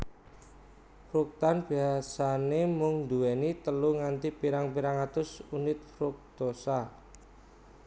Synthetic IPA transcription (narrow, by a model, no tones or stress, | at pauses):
fɾuk̚t̪anb̥iasanemʊŋnd̪uwɛnit̪əluŋant̪ipiɾaŋpiɾaŋat̪ʊsunɪt̪̚fɾʊk̚d̪̥osa